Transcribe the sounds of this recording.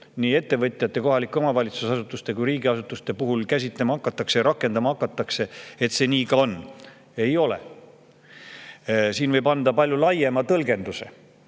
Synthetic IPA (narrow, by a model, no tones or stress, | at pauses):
niːe̞t̪ːe̞vɤt̪ʲˑjɑt̪ːˑe̞ko̞ɦɑlikːˑuomɑvɑlʲit̪susɑsut̪ːˑust̪e̞kujɾiːɡiɑsut̪ːˑust̪e̞puɦulkæs̬ʲit̪ˑlemɑɑkːˑɑt̪ːˑɑksejɾɑkːˑe̞nd̪ɑmɑɑkːɑt̪ːˑɑkse̞et̪se̞nʲiːkɑo̞nː | e̞jo̞lḛ | siːnvɤ̞jbɑnd̪̥ɑpɑlʲjulɑjemɑt̪ɤlɡ̥e̞nd̪use̞̰